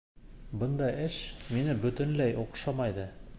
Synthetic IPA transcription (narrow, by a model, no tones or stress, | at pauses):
bɤnd̪ɑjɘʃminɘbɵ̆t̪ɘ̆nlæjʔuqʃɑmɑjðɤ